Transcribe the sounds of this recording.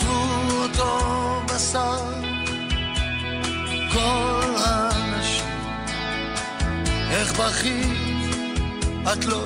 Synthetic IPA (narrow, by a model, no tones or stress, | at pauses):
vuot̪obasaʁ | kolhanaʃim | ɛχbaχi | at̪lo